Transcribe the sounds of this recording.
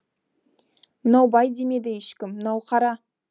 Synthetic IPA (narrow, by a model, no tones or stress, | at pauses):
mənɑwbɑjd̪eme̞d̪ɪjeʃkʲɪmːənɑwqʰɑɾɑ